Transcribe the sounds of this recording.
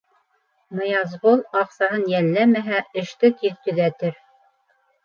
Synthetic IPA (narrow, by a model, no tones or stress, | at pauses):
mɤ̆jɑzʁolˠɑqsɑɦɤnjælːæmæɦæɘ̆ʃt̪ɘt̪iðt̪ɵ̆ðæt̪ɘɾ